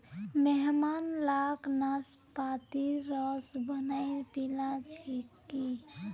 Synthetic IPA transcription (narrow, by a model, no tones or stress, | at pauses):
meɦmanlaknaspat̪iɾəɔsbənajpilãt͡ʃʰikː | i